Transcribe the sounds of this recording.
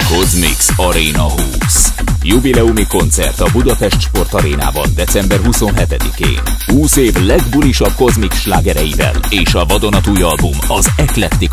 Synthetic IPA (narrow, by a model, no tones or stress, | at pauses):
ko̞zmḭksɒɾeːnɒɦuːsjuvilɛumiko̞nt̪sɛ̰rt̪ɒbud̪ɒpɛʃt̪ʃpo̞rt̪ɒɾeːna̰ːbɒ̰nd̪ɛsɛmbɛrɦuso̞nɦɛt̪ɛd̪ikḛːnhuːseːvlɛɡbuliʃɒb̚ko̞zmiksʃlaːɡɛɾɛjivɛ̰leːʃɒvɒd̪o̞nɒt̪uːjɒlbumɒzɛklɛt̪ːik